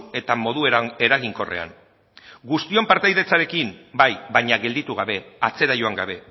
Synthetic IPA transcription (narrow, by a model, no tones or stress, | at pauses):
e̞t̪amo̞ðue̞ɾaɣ̞iŋko̞re̞̰a̰n | ɡust̪io̞mpaɾt̪ajðe̞t͡saɾe̞kimbajβaɲaɣe̞ld̪it̪uɣ̞aβe̞at͡se̞ɾajo̞aŋɡaβ̞e̞